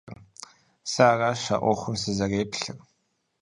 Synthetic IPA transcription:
r | saːraːʃa̰ʔʷɔχʷʊmsɨzɐreːpɬɨr

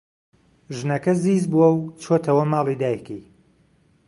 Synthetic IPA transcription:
ʒɨnɐkɐziːzbuwɐwt͡ʃʰoːt̪ʰɐwɐmɑːlˠid̪aːjkej

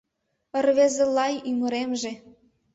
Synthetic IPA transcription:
ərβezĕlɑjymə̆ɾemʒĕ

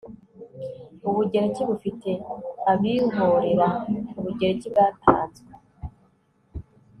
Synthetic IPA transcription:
uβuɟe̞ɾeciβufite̞aβiɦo̞ɾe̞ɾauβuɟe̞ɾecibɡatʰa̰ːt͡se

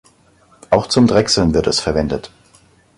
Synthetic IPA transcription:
ʔaʊxt͡sʊmdʁɛksl̩nvɪɐtɛsfɛɐvɛndət

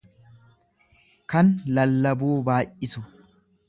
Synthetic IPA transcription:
kɐnlɐlːɐbuːbaːʔɪsʊ

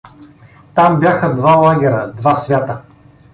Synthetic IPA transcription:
t̪ambʲjaxəd̪valˠaɡʲɛɾəd̪vasvʲjat̪ə

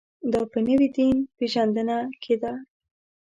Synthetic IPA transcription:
d̪ɑpənəwid̪inpeʒand̪ənakʰed̪a

